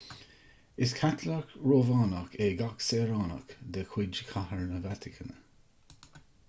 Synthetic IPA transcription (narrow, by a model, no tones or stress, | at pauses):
ɪskʰat̪ʰlakɹoːvaːnakʰeɡaksɛːɹaːna̰kd̪əkʰwɪd͡ʒəkʰahəɹnəvat̪ʰɪkʰənə